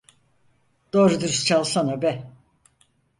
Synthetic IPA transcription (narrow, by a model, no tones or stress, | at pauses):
d̪̥oɾud̪uɾst͡ʃʰalˠsanabɛ